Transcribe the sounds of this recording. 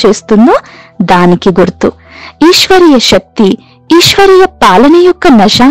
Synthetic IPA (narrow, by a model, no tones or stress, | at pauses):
t͡ʃeːst̪unːud̪aːnikːiɡuɾt̪u | iːʃʋɐɾijɐʃɐk̚t̪i | iːʃʋɐɾijɐpaːlɐnejukːɐnɐʃaː